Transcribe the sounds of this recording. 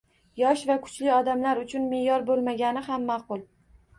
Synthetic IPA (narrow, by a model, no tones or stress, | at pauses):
jɒʃvakʰʊ̥t͡ʃlɪɒd̪amlaɾʊt͡ʃʰʊnme̞jɒɾbolˠmaɡʲanɪhamːaqʊlˠ